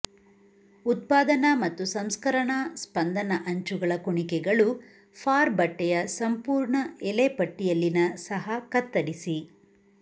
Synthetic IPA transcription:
ut̪̚paːd̪ɐnɐmɐt̪ːusɐmskɐɾɐɳɐspɐnd̪ɐnɐʔɐɲt͡ʃuɡɐɭɐkuɳikɛɡɐɭu | pʰaːɾbɐʈːɛjɐsɐmpuːɾɳɐɛlepɐʈːijɐlːinɐsɐɦɐkɐt̪ːɐɽisi

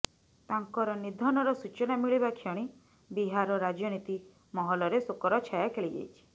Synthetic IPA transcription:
t̪aŋkɔɾɔnid̪ʱɔnɔɾɔsut͡ʃɔnamiɭibakʰɔɽ̃i | biɦaɾɔɾad͡ʒjɔnit̪i | mɔɦɔlɔɾesukɔɾɔt͡ʃʰajakʰeɭid͡ʒa̰jt͡ʃʰi̥

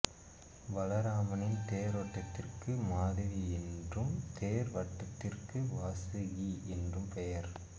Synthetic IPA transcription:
ʋɐɭɐɾaːmɐnɪnt̪eːɾoːʈːɐt̪ːɪrkɯmaːðɐʋiɛndrɯmt̪eːɾʋɐʈːɐt̪ːɪrkɯʋaːsɐɣiʔɛndrɯmpɛjɐɾ

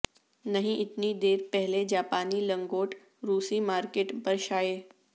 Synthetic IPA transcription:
nɐɦĩʔɪt̪nid̪eːɾpɛɦled͡ʒaːpaːnilɐ̃ŋɡoːʈ | ɾuːsimaːɾkeːʈbɐɾʃaːeː

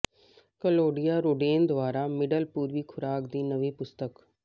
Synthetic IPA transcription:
kəloːɖijaːɾoːɖeːnd̪ʊʋaːɾaːmɪɖəlpuːɾʋiːkʰʊɾaːkd̪iːnəʋiːpʊst̪ək

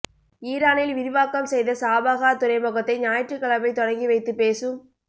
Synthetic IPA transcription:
iːɾaːnɪlʋɪɾɪʋaːkːɐmsɛjðɐsaːbaːɣaːt̪ʊɾɐɪmɔɣɐt̪ːɐɪɲaːjɐʈrɯkːɐɭɐbɐɪt̪ɔɽɐŋɡiʋɐɪt̪ːɯpeːsɯm

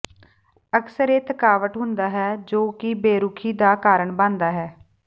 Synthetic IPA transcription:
əksəɾeːt̪əkaːʋəʈɦʊ̃nd̪aːɦɛːd͡ʒoːkɪbeːɾʊkʰiːd̪aːkaːɾəɳbãːnd̪aːɦɛː

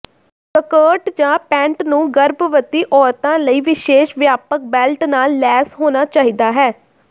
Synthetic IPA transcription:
ɾəkəːʈd͡ʒãːpɛ̃ːɳʈnũːɡəɾbʋət̪ːiːʔɔːɾt̪ãːləiːʋɪʃeːʃʋjaːpək̚bɛːlʈnaːlːɛːsɦoːnaːt͡ʃaːɦiːd̪aːɦɛː

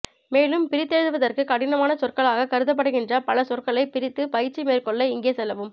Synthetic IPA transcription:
meːlɯmpɪɾɪt̪ːeɻðɯʋɐðɐrkɯkɐɽɪnɐmaːnɐsɔrkɐɭaːɣɐkɐɾɯðɐp̬ːɐɽɯɣɪndrɐpɐlɐsɔrkɐɭɐɪpɪɾɪt̪ːɯpɐjɪrt͡ʃːimeːrkɔɭːɐɪŋɡeːsɛlːɐʋɯm

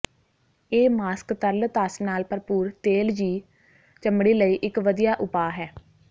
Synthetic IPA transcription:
eːmaːskt̪əɾlt̪aːsnaːlpəɾpuːɾt̪eːld͡ʒiː | t͡ʃəmɽiːləiːʔɪkʋəd̪ijaːʔʊpaːɦɛː

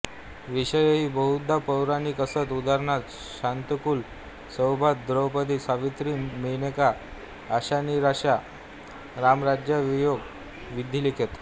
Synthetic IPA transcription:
ʋiɕəjəɦiːbəɦut̪̚d̪apəwɾaniːkəsət̪ud̪aɾɳat̪ | ɕant̪ukuːl | səwbʱad̪̚d̪ɾəwpəd̪isaʋit̪ɾiːmenekaː | ɕaniɾaɕa | ɾamɾad͡ʑjəʋijoɡ | ʋid̪ʱːiliket̪

